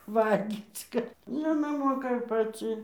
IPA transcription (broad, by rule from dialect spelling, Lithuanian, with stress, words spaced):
ˈʋɐlʲɡʲiːt͡s ˈkɐt ˈjɪnɐɪ ˈmoːkɐ ɪr pɐˈt͡sʲɪ